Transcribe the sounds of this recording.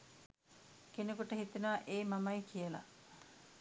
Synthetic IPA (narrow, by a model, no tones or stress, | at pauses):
kenekuʈəɦit̪inaʔeːmamɐjkʰijəla̰